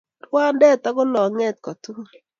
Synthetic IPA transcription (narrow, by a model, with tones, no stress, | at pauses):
twa˦ndɛ˦˨t̪a˦ɡʊ˦nɔ˨ŋɛ˦t̪̚kɔ˨tu˦ɾ